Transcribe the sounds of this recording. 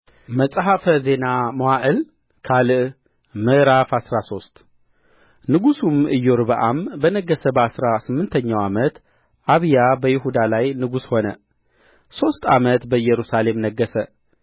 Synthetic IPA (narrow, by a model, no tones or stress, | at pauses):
məsʼɦafəze̞namowaʔɨl | kʰalɨʔ | mɨʔɾafasɾaso̞st̪ | nɨɡusumɨjːoɾbəʔambənəɡːəsəbəasɾasɨmːɨnt̪ʰəɲːawamət̪ | ʔaβjabəjɪhud̪alajnɨɡusho̞nə | so̞st̪a̰mət̪bəjɛɾusale̞mnəɡːəsə